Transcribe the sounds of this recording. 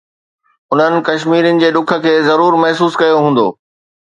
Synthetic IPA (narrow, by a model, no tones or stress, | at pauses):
ʊn̤ənɪ̆kɐʃmiːɾjənɪ̆d͡ʑeːɗʊkʰə̆kʰeːzɐɾuːɾmɐɦsuːskɐjoɦũːnd̪o̰ː